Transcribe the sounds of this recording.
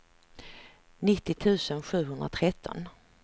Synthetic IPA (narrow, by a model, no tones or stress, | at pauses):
nɪt̪ːɪt̪ʰʉ̟ːsənɧʉ̟ːɦɵnd̪ɾa̰t̪ʰɾɛt̪ʰːɔ̰n